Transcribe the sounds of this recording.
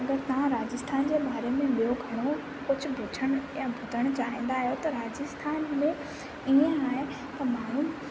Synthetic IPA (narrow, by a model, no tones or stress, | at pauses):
ɐɡəɾt̪ɐʋãɾaːd͡ʑɪst̪ʰaːnd͡ʑeːɓaːɾemẽɓijoɡʱɐɽ̃o | kʊd͡ʑʱʊ̆bʱʊʈʰəɽ̃ʊjabʱʊd̪ʱəɽ̃t͡ɕaːĩːn̆d̪aːɦijot̪ɐɾaːd͡ʑɪst̪ʰaːnmẽ | iẽaːɦe | t̪ɐmaːnũ